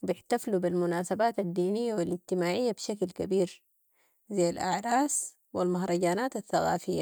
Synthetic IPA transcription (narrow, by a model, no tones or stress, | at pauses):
wbɪħt̪aflubilmunaːsabaːt̪ad̪ːiːnijːawaliɟt̪imaːʕijːabʃaklkabiːɾ | zajːalʔa̰ʕɾˤɑːs | wilmahɾˤɑɟaːnaːt̪aθːaɣa̰ːfijːa